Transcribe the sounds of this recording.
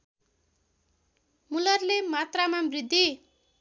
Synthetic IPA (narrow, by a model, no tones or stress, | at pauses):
mulʌrlemat̪ramabrid̪ʱːi